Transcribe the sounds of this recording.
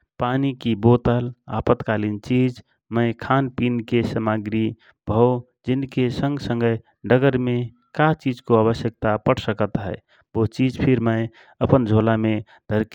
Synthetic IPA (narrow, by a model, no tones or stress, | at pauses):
panikibot̪əla̰pət̪kalint͡ʃid͡ʒ | məɪkʰanpinkesəmaɡɾi | bʱəw | d͡ʒinkesə̃ŋɡsə̃ŋɡəj | ɖəɡəɾme | kat͡ʃid͡ʒkoaβəsjək̚t̪apəɽsəkət̪ɦɛ̰ɪ | bot͡ʃid͡ʒpʰiɾməɪ | əpənd͡ʒʱolame | d̪ʱəɾk